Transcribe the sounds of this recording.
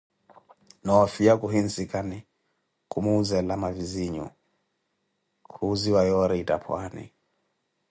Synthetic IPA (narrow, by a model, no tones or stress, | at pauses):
nɔɔfiakuɦin̩sikani | kumuzɛlamaviziɲɔ̰ | kʰuːziwajɔɾɛita̰pʰwanḭ